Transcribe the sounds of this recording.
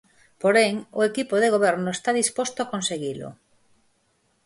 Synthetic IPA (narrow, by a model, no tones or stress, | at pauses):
poɾeŋoekipoðeɣ̞oβ̞eɾnoest̪aðispost̪oakonseɣ̞ilo̰